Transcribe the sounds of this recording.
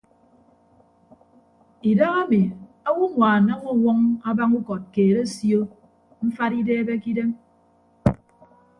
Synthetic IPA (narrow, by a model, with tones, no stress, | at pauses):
i˨da˦ɣa˦mi˨ | a˦wu˦ŋʷaː˨na˦ŋu˦˨wɔ˦ŋa˦ba˦ŋu˦kɔ˨t̚keː˨ɾe˦sjo˦ | m̩˦fa˦ɾi˦deː˦be˦ki˦de˦m